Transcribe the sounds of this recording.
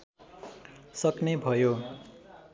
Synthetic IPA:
sʌknebʱʌjo

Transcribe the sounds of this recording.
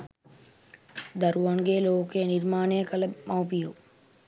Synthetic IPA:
d̪ɐɾuʋɐŋɡeːloːkeːniɾmaːnejəkɐlɐmɐwpiju

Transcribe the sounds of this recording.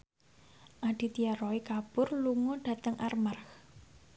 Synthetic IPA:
ʔaɖ̥i̤t̪iaɾɔikab̥ʊrluŋoɖ̥ä̤t̪əŋʔarmarx

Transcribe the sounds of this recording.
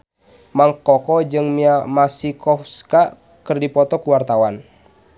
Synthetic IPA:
maŋkɔkɔd͡ʒɨŋmiamasikɔfska | kɨrdipɔt̪ɔkuwart̪awan

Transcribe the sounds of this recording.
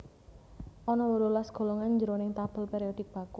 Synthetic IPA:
ʔɔnɔwəlolasɡ̥o̤lɔŋand͡ʒəɾonɪŋt̪ab̥ə̤lpeɾiɔd̥̪ɪk̚b̥ä̤ku

